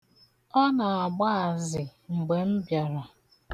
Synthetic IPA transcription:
ɔ˦na˨a˨ɡ͡ba˦a˨zɪ˨ŋ͡m̩˨ɡ͡be˨m̩˦bja˨ɾa˨

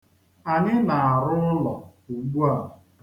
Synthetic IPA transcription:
a˨nɪ˦ma˨a˨ɾʊ˦n̩˦lɔ˨u˨ɡ͡bu˦a˦˨

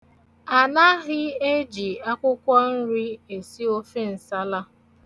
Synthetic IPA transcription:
a˨na˦ɣɪ˦e˦d͡ʒi˨a˦kʷʊ˦kʷɔ˦n̩˦ɾi˦e˨si˦o˦fe˦n̩˨sa˦la˦

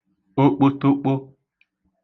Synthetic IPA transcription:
o˦k͡po˦to˦k͡po˦

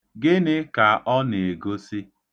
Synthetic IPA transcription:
ɡɪ˦nɪ˦ka˨ʔɔ˦ne˨ɡo˦si˦

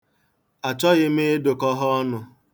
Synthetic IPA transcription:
a˨t͡ʃɔ˦ɣɪ˦m̩e˦e˦do˨kɔ˦ɦɔ˦ɔ˦nʊ˨

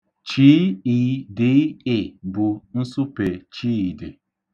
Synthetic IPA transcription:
t͡ʃi˦i˨˦dɪ˨˦ɪ˨bʊ˨n̩˦sʊ˦pe˨t͡ʃi˦i˨dɪ˨

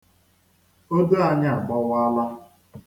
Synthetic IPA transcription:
o˦do˦a˦ɲa˦a˨ɡ͡bɔ˦wa˦la˦

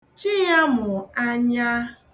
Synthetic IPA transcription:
t͡ʃi˦ja˦mʊ˨a˦ɲa˦

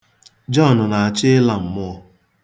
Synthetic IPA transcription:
d͡ʒɔ˦˨nʊ˨na˨a˨t͡ʃɪ˦la˨m̩˨mʊ˦ɔ˦

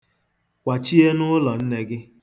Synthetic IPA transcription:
kʷa˨t͡ʃi˦e˦nʊ˦lɔ˨n̩˦ne˦ɡɪ˦

